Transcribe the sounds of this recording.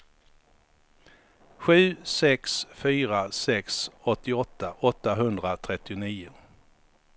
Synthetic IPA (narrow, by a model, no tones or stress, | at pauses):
ɧʉ̟ːsɛksfyːɾasɛksɔt̪ːɪɔt̪ːaʔɔt̪ːaɦɵnd̪ɾat̪ʰɾɛt̪ːɪʊniːʊ